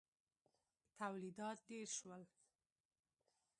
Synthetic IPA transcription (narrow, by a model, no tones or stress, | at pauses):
t̪awlid̪ɑt̪̚ɖeɾʃwəl